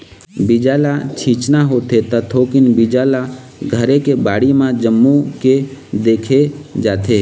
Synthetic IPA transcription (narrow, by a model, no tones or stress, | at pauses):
bɪd͡ʒaːlat͡ʃʰĩːt͡ʃnaɦot̪ʰet̪ət̪ʰoːkɪnbɪd͡ʒaːla | ɡʱəɾekebaːɽimãd͡ʒəmːuked̪eːkʰed͡ʒaːt̪ʰeː